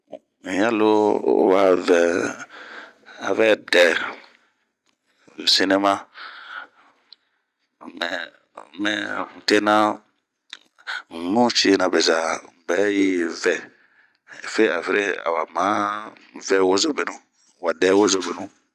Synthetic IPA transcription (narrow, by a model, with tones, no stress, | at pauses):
jã˦lo˦˨wa˨vɛ˨ | a˨vɛ˦dɛ˨ | si˧ne˦mã˦ | mɛ˨ | mɛ˨te˦nã˦˨ | nũ˦t͡ʃi˦˧nã˧bɛ˨za˨m˨bɛ˨˦ji˦vɛ˦˨ | fe˦a̰˨ve˦ɾe˦a̰˨wa˨mã˨˦ | vɛ˦wo˦zo˦be˨nũ˦ | wa˨dɛ˦wo˦zo˧be˨nũ˦